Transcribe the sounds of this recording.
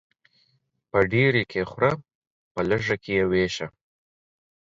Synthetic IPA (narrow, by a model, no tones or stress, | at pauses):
pəɖeɾekʰexwɾa | pələʐakʰejeweʃa